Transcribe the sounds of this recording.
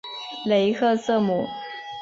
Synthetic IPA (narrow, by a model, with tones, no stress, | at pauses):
le˨˧˥ɪkʰɤ˥˧sɤ˥˩mu˨˩˦